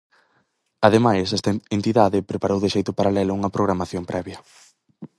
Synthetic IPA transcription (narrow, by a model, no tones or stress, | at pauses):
aðemajsɛst̪ɐent̪iðaðɪpɾepaɾowðɪʃejt̪ʊpaɾalɛlʊuŋɐpɾoɣɾamaθjompɾʔɛβjɐ